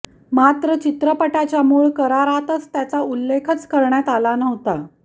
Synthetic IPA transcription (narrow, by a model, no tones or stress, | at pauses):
mat̪ɾət͡ɕit̪ɾəpəʈat͡ɕjamuɭkəɾaɾat̪ət͡st̪jat͡saulːekʰət͡skəɾɳjat̪alanəʋt̪a